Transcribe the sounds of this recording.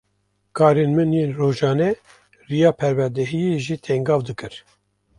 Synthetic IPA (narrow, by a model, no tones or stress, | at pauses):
kʰɑːɾenmɨnjeːnroːʒɑːnɛ | rijɑːpʰɛɾwɛɾd̪ɛɦijeʒiːt̪ʰɛŋɡɑːvd̪ɨkɨɾ